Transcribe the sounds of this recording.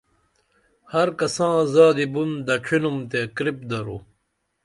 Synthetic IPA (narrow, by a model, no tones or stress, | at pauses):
hɐɾkɐsãːzaːd̪ibund̪ɐʈ͡ʂʰinumt̪ekɾip̚d̪ɐɾu